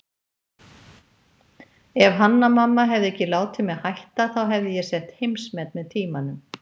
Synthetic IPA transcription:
ɛv̥ɦanːamamːaɦɛvðɪɛhcːɪlaːwt̪ʰɪmɛðhajht̪aθawɦɛvðɪjɛsɛht̪hejmsmɛt̪̚mɛðt̪ʰiːmanʏm

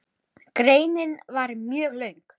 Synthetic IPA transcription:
kɾeːjnɪnvaɾmjœːɣlœɥŋk

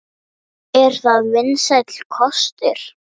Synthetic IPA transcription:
ɛɾ̥θaðvɪnsajt̪l̥kʰɔst̪ɪɾ̥

